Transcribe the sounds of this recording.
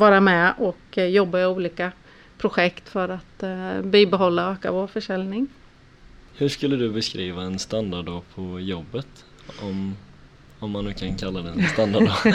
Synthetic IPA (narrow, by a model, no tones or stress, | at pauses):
vɑːɾamɛʔɔkjɔbːaɛuːliːka | pʰɾʊɧɛkt̪fœɾat̪biːbɛɦɔlːaøːka̰voːɾfœʂɛljnɪŋ | hɵʂkɵlːəd̪ɵbɛskɾiːvaɛnst̪and̪aɖɔpʰɔjɔbːət̪ | ɔm | ɔmːanːʉ̟ːkʰankʰalːad̪ɛɛnnst̪and̪aɖ